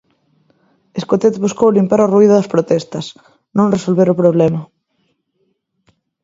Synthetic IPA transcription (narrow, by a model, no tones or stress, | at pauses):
eskot̪et̪βuskowlimpaɾoruiðʊðɐspɾot̪ɛst̪ɐs | nõŋresolβeɾʊpɾoβlɛmɐ